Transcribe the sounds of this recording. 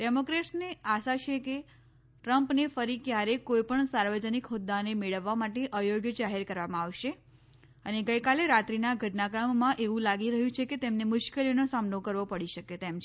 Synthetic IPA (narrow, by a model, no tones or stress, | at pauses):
ɖemokɾesneaʃat͡ʃʰeke | ʈɾəmpnefəɾikjaɾekoipəɳsaɾʋəd͡ʒənikɦʊd̪ːanemeɭəʋːamaʈeʔəjoɡjəd͡ʒaɦeɾkəɾʋamãaʋʃe | əneɡəjkaleɾat̪ɾinaɡʱəʈnakamːãʔeʋũlaɡiɾəɦjũt͡ʃʰeket̪emnemʊʃkelinosamnokəɾʋopəɽiʃəket̪emt͡ʃʰ